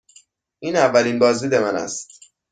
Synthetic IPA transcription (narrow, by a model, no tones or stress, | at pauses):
ʔiːnævːælinbɒːzd̪iːd̪e̞mænæ̰st̪